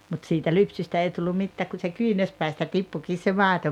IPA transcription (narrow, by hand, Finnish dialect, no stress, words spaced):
mut siːtæ lypsystæ ei tulːum̆ mitːæːk ku se kyːnærspæistæ tipːukiːs se mɑˑeto